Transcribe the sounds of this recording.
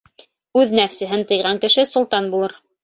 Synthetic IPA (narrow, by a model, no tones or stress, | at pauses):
ʉðnæfsɘ̆ɦɘnt̪ɤ̆jʁɑŋkɘ̆ʃɘsŏlˠt̪ɑnbulˠɤɾ